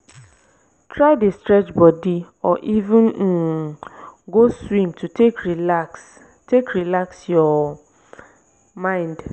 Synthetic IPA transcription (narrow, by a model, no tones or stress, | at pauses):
tʰɾaɪdestɾɛt͡ʃbɔdi | ɔʔivɪ̃n̩ | ɡoswĩmtʰutʰekɾilaks | tekɾilaksjɔ | mãɪ̃nd